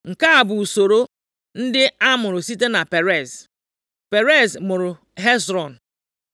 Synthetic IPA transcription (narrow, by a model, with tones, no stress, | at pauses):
ŋ̩˨ka˦a˨bʊ˨u˨so˨ɾo˦ | n̩˦dɪ˦a˦mʊ˨ɾʊ˨si˦te˦na˨pe˨ɾe˦˨s | pe˨ɾe˦˨zmʊ˨ɾʊ˨ | ɦe˦zɾɔ˨n̩˨